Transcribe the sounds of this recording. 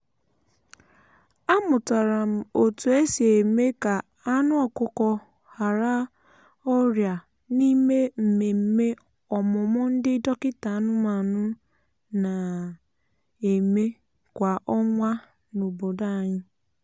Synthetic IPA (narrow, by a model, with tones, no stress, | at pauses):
a˦mʊ˨ta˨ɾa˨m̩˨o˨tu˨e˦si˨e˨me˦ka˨ | a˦nʊ˦ɔ˨kʊ˨kɔ˦ | ha˨ɾa˦ | ɔ˦ɾja˨ | ni˦me˦m̩˨me˨m̩˦me˦ | ɔ˨mʊ˨mɔ˦n̩˦dɪ˦dɔ˦kɪ˦ta˨˦nʊ˦m˦a˨nʊ˦ | na˨ | e˨me˦ | kʷa˨ʔɔ˦ŋʷa˦ | no˨bo˨da˦˨ɲɪ˦